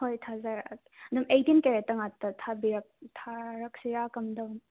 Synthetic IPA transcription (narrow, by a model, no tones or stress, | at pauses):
hojt̪ʰazaɾkɐd̪umejtinkeɾetɐŋatɐtʰabiɾɐk̚tʰaɾɐk̚siɾakɐmdɐ